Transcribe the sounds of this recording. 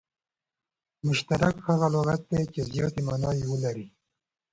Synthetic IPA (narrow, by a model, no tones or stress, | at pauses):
mʊʃt̪aɾakhaɣaloɣat̪̚d̪et͡ʃezjɑːt̪imanɑːjiwəlaɾi